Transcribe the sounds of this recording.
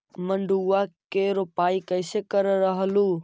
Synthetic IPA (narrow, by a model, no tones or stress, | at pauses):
mə̃ɳɖʱuːakeːɾopaːikɐɪsekəɾɾɐɦəluː